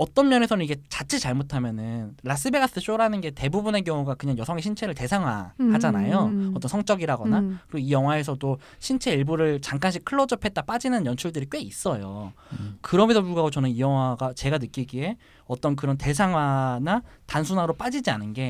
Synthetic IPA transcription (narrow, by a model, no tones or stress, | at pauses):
ʌt͈ʌnmjʌne̞sʰʌnɯniɡe̞t͡ɕat͡ɕʰit͡ɕaɭmotʰamjʌnɯnɾas̬͈ɯbe̞ɡas͈ɯɕ͈oɾanɯnɡe̞te̞bubune̞k̬jʌŋuɡakɯɲaŋjʌsʰʌŋeɕʰint͡ɕʰe̞ɾɯɭte̞sʰaŋɦwa̰had͡ʑanajoʌt͈ʌnsʰʌŋt͡ɕ͈ʌɡiɾaɡʌnakɯɾeijʌŋɦwae̞sʰʌdo | ɕʰint͡ɕʰe̞iɭboɾɯɭt͡ɕaŋk͈anɕʰikʰɯɭːʌd͡ʑopʰet̚t͈ap͈ad͡ʑinɯnjʌnt͡ɕʰuɭdɯɾik͈we̞is͈ʌjo | kɯɾʌmesʰopuɭɡaɡot͡ɕʌnɯnijʌŋɦwaɡat͡ɕe̞ɡanɯk͈iɡie̞ | ʌt͈ʌnk̬ɯɾʌnte̞s̬ʰaŋɦwanatansʰunaɾop͈ad͡ʑid͡ʑianɯnɡe̞